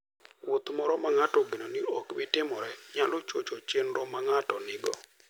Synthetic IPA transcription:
wot̪mɔɾɔmaŋatɔɡinoniokbɪtɪmɔɾɛɲalɔt͡ʃot͡ʃot͡ʃenɾɔmaŋatɔnɪɡɔ̰

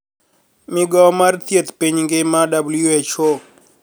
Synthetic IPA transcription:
mɪɡɔmart̪jet̪piɲŋɡɪmadabuljuet͡ʃo

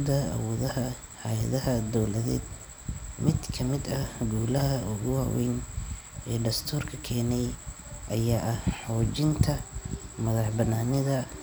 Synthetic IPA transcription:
d̪ɐɐ̰wɔːðɐɦɐ | hɐjɐ̰ðɐɦɐd̪ɔwlɐðɛ̰ːd̪ | mɪd̪kʰɐmɪd̪ɐɡuːlɐɦɐʊɣʊwaɑːwɛ̰jn | ɛːɖɐst̪ʰuːrkʰɐkʰɛːnɛj | ʔɐjaːʔɐhħɔːt͡ʃɪnt̪ʰɐmɐðɑħbɐnaːnɪðɐ

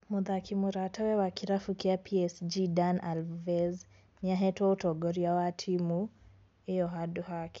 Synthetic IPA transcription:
muðakʰimuɾatawɛwakiɾafukiapʰiɛsd͡ʒidanalvɛz | niaɦɛtwɔutɔɡɔɾiawatʰimu | ɛjɔɦaduɦaki̥

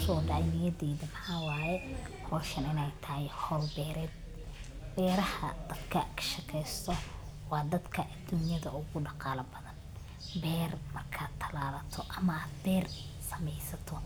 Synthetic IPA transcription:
ʃɔːɖɑʕjnɪjɐðɛːðɐmɐħaːwɑːjɛhɔːʃɐnɪnɛjt̪ʰɐhɪhɔːlbɛːɾɛːd̪̚ | b̥ɛːɾɐhɐ̰d̪̥ɐd̪kʰɐkʰɐ̥ʃɪkʰɛjst̪ʰɔ | wɑːd̪ɐd̪kʰɐʔɐd̪uːnjɐðɐʊɣʊɖɑqɑːlɐbɐðɐn | bɛːrmɐrkʰaːdt̪ʰːɐlaːðɐt̪ʰɔʔɐmɐaːd̪bɛːrsɐmɛjsɐt̪ʰɔ

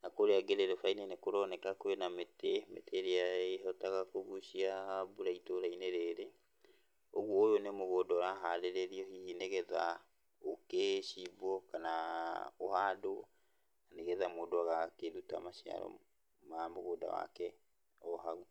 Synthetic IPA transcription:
nakoɾeaɡeɾeɾefainenekoɾɔnɛkakwenametemḛtʰeɾeaeɦɔtaɣakoɣuʃiabuɾaitoɾaineɾeɾe | oɣwɔojonemoɣoːdɔɾaɦaɾeɾeɾiɔhiineɣɛða̰ | okeɕibɔkanaohado | aneɣɛðamoːdoaɣakeðuta̰maɕia̰ɾɔ̰ | mamoɣoːda̰wa̰kɛ | ɔɦaɣu

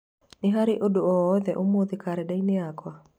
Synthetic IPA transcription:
nɪɦaɾɪʔodoɔːðɛʔomoðikaɾɛdainɪakwa

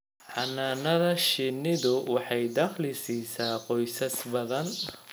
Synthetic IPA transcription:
ħɑnːaːnɐðɐʃɪnɪðʊwɑħɑjd̪ɑqlɪsiːsaːqɔjsɐsbɐðɐn

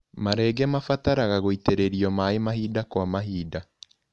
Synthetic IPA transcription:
maɾɛːɡɛmafataɾaɣaɣoiteɾeɾiɔmaemaɦiːdakwamaɦiːda

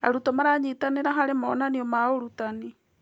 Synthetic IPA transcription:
a̰ɾutɔmaɾaɲitaneɾaɦaɾemɔnaniɔmaoɾutani

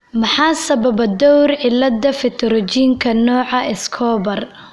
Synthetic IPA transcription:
mɑħɑːsɐbɐbɐd̪ɔwrʕɪlːɐd̪ɐfɪt̪ʰɔɾɔt͡ʃiːŋkʰɐnɔːʕɑʔɪskʰɔːbɐr

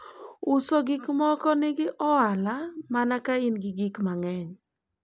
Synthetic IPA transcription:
ʊsoɡɪkmɔkɔnɪɡɪʔɔalamanakainɡɪɡɪkmaŋɛɲ

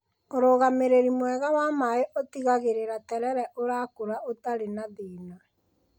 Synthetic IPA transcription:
oɾoːɣameɾeɾimwɛɣawamaeʔɔtiɣaɣeɾeɾatɛɾɛɾɛʔoɾakoɾaʔotaɾenaðiːna

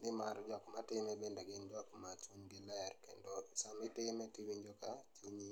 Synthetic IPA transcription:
nɪmaɾd͡ʒɔkmatɪmɛbendaɡɪnd͡ʒɔkmat͡ʃuɲɡɪlajɛrkendosamɪtɪmɛtɪwiɲd͡ʒokat͡ʃuɲi

